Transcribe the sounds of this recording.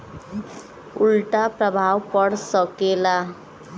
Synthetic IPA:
ulʈapɾʌbʱawpʌɽsʌkela

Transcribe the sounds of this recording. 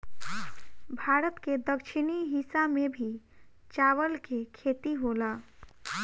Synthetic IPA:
bʱaɾət̪ked̪əkt͡ʃʰiniɦisamebʱi | t͡ʃaʋəlkekʰet̪iɦola

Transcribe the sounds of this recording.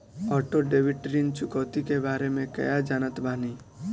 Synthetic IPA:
ɔːʈoɖeːʋɪʈɾiːnt͡ʃʊkəːt̪ikebaːɾemẽkɐ̰jad͡ʒaːnət̪bʱaːni

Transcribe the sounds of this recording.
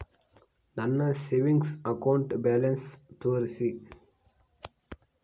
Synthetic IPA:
nɐnːɐseːʋĩŋɡsɐkaʊ̃ɳʈbæːlɐnst̪uʋɐɾsi

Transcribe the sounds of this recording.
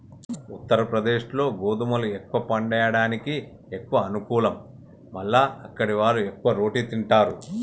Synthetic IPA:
ut̪ːɐɾɐpɾɐd̪e̞ːʂlo̞ːɡoːd̪umɐluekːʋɐpɐɳɖɐjɐɽaːniki | ekːuʋɐːnukuːlɐmː | ɐlːaːɐkːɐɽiʋaːɾuekːuʋɐɾo̞ːʈit̪iɳʈaːɾu

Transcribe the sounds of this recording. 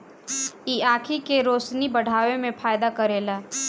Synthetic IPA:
iːaːkʰikeɾoːsnibɐɽ̤ʱaːʋemẽfʰaːjd̪akɐɾeːlaː

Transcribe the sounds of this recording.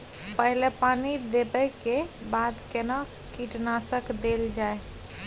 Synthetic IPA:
pəɦilepanid̪ebəkebad̪kenɔ | kiʈnasəkd̪eld͡ʒae

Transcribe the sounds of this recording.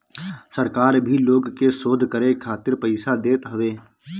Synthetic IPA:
səɾkaːɾbʱiloːɡkesoːd̪ʱkəɾekʰaːt̪ɪɾpəɪsad̪eːt̪ɦəʋeː

